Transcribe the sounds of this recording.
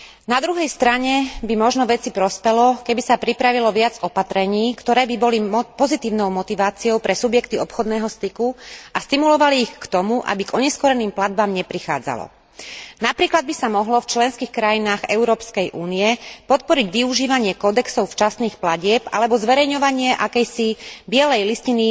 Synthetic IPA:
nad̪ɾuɦɛjst̪ɾaɲɛbimɔʒnɔʋɛt͡sipɾɔspɛlɔkɛbisapɾipɾaʋilɔʋɪad͡zɔpat̪ɾɛɲiːkt̪ɔɾɛːbibɔlipɔzit̪iːʊnɔʊmɔt̪iʋaːt͡siɔʊpɾɛsubjɛkt̪iɔpxɔd̪nɛːɦɔst̪ikuast̪imulɔʋaliːxkt̪ɔmuʔa̰biɡɔɲɛskɔɾɛniːmplad̪̚bamɲɛpɾixa̰ːd͡za̰lɔ̰ | napɾiːklad̪̚bisamɔɦlɔft͡ʃlɛnskiːxkɾajinaːɣɛʊɾɔːpskɛjʔuːnijɛpɔt̪̚pɔɾiɟʋiuʒiːʋaɲɪɛkɔd̪ɛksɔʊft͡ʃasniːxplaɟɪɛpa̰lɛbɔzʋɛɾɛjɲɔʋaɲɪɛʔakɛjsibɪɛlɛjliscini

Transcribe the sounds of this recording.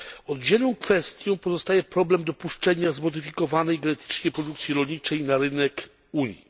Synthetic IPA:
ɔd̪d͡ʑɛlɔ̃w̃kfɛst̪ʲjɔ̃w̃pɔzɔst̪ajɛpɾɔblɛmd̪ɔpuʂt͡ʂɛɲazmɔd̪ɘfʲikɔvanɛjɡɛnɛt̪ʰɘ̥t͡ʂɲɛjpɾɔd̪ukt̪sʲjiɾɔlɲit͡ʂɛjnaɾɘnɛk | uɲji

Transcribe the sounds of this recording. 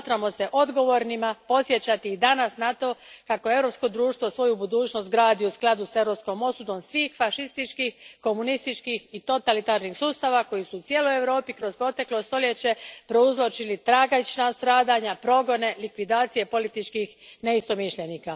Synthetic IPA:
t̪ɾamo̞se̞ʔo̞d̪ɡo̞ʋo̞ɾnimapo̞sje̞t͡ɕat̪iːd̪anasnat̪o̞kako̞e̞ʋɾo̞psko̞d̪ɾuːʃt̪ʋosʋo̞jubud̪uːt͡ɕno̞st̪̚ɡɾaːd̪iusklˠad̪use̞ʋɾo̞psko̞mo̞sud̪o̞msʋiːxfaʃist̪it͡ʃkixko̞munist̪it͡ʃkixit̪o̞t̪alit̪aːɾnixsuːst̪aːʋako̞jisuːt̪sje̞ːlo̞je̞ʋɾo̞ːpikɾo̞zpɾo̞t̪e̞klo̞st̪o̞lje̞t͡ɕe̞pɾo̞uzlˠo̞t͡ʃilit̪ɾaːɡat͡ʃnast̪ɾaːd̪aɲapɾo̞ɡo̞ne̞likʋid̪aːt̪sije̞po̞lit̪it͡ʃkixne̞ist̪o̞miʃʎe̞niːka

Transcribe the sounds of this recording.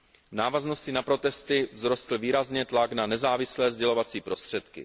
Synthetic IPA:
vnaːvazno̞scɪnapɾo̞t̪ɛst̪ɪvzɾo̞st̪l̩viːɾazɲɛt̪laɡnanɛzaːvɪslɛːzɟɛlo̞vat͡siːpɾo̞st̪r̝̥ɛt̪kɪ̰

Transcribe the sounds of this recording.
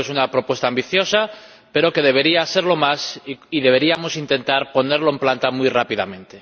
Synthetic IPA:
esunapɾo̞pwe̞st̪aːmbiθjo̞sa | pe̞ɾo̞ke̞ð̞e̞β̞e̞ɾiase̞ɾlo̞masiðe̞β̞e̞ɾiamo̞sint̪ẽ̞nt̪aɾpo̞ne̞ɾlo̞emplant̪amwujrapiða̰mẽ̞nt̪e̞

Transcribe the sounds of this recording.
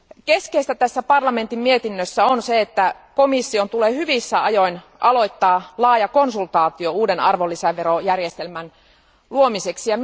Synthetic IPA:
keskeist̪æt̪æsːæpɑrlɑme̞nt̪immiet̪inːøsːæonseet̪ːækomisːio̞nt̪uleːhyʋisːæɑjo̞in | ʔɑlo̞jt̪ːɑːlɑːjɑko̞nsult̪ɑːt̪iouːdenɑrʋolːisæʋeɾojærjest̪elmæn | luomiseksijɑ

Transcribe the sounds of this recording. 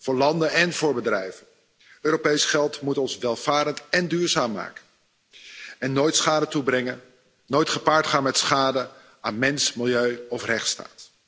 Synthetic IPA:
v̥ʊːɹlɑndənɛnvʊːɹbədrɛjvən | øːɾopejsχɛlˠtmutɔnsʋɛlˠv̥aːɾəntɛndyːɹzaːmːa̰ːkə̥ | ɛnːoːjtsχaːdətubrɛŋən | noːjtχəpaːɹtχaːnmɛtsχaːdə | aːnmɛnsmɪlˠjøɥɔfrɛχtsta̰ːt

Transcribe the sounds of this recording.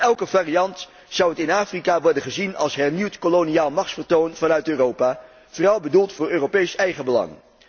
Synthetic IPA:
ɛlˠkəvaːrijɑnt | sʌwɦətɪnaːfrikaːʋɔɹdənχəzinɑ̰lˠsɦɛɹniwtkoloniaːlˠmɑχtfəɹtownv̥ɑnœɥtøːrowpaː | v̥oːrɑlˠbədulˠtfʊːɹøːropejsɛjχəbəlɑ̰ŋ

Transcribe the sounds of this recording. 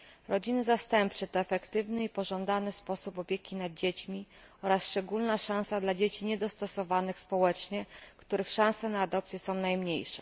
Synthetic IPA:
ɾɔd͡ʑinɘzast̪ɛmpt͡ʂɛt̪ɔɛfɛkt̪ɘvnɘipɔʐɔnd̪anɘspɔsupɔpʲjekʲinad̪̚d͡ʑet͡ɕmʲi | ɔɾasʂt͡ʂɛɡulnaʂãw̃sad̪lad͡ʑet͡ɕiɲɛd̪ɔst̪ɔsɔvanɘxspɔwɛt͡ʂɲɛkt̪uɾɘxʂãw̃sɛnaːd̪ɔpt̪sʲjɛsɔ̃w̃najmɲejʂɛ̥̰

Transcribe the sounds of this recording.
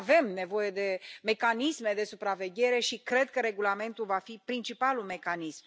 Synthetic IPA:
ve̞mne̞vo̞je̞d̪e̞me̞kanisme̞d̪e̞supɾave̞ɡʲe̞ɾe̞ʃikɾe̞d̪̚kəɾe̞ɡulame̞nt̪ulvafipɾint͡ʃipalume̞kanism

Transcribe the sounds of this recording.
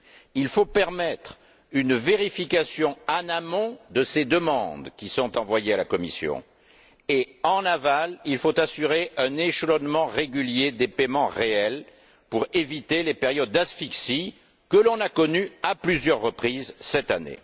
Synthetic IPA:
ilfopɛʁmɛt̪χ | ynveʁifikasjɔ̃anamɔ̃d̪əsed̪əmɑ̃d̪kʲisɔ̃t̪ɑ̃vwajealakɔmḭsjɔ̰̃ | eɑ̃navalilfot̪asyʁeʔɛ̃neʃəlɔnmɑ̃ʁeɡʲyljed̪epemɑ̃ʁeɛl | puʁevit̪elepeʁjɔd̪̚ːasfiksi | kəlɔ̃nakɔnyaplyzjœʁːəpχizsɛt̪anḛ

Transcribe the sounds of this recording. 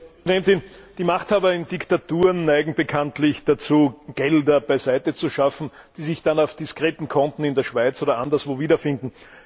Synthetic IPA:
dɛntɪnd̥iːmaχthaːbɐɪndɪktatuːʁənːæɪɡŋ̩bekʰantlɪçd̥at͡suːɡ̥ɛldɐbæɪzæɪtət͡suʃafn̩d̥iːzɪçd̥anɑʊfd̥iskʁeːt̪n̩kʰɔntn̩ɪndeːɐʃv̥aɪt͡soːɾɐʔandɐsv̥oːviːdɐfɪndn̩

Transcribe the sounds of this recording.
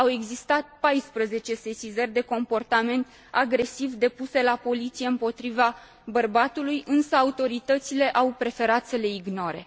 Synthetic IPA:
awe̞ɡzist̪at̪̚pajspɾəze̞t͡ʃe̞se̞sizərʲd̪e̞ko̞mpo̞rt̪ame̞nt̪ | aɡɾe̞sivd̪e̞puse̞lapo̞lit̪sije̞ɨmpo̞t̪ɾiva | bərbat̪ulujɨnsəaut̪o̞ɾit̪ət̪sile̞ʔawpɾe̞fe̞ɾat̪səle̞iɡno̞ɾe̞̰

